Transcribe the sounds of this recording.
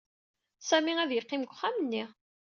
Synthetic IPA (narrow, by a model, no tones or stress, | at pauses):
sæmiæðjəqːimɡʷχːæmənːi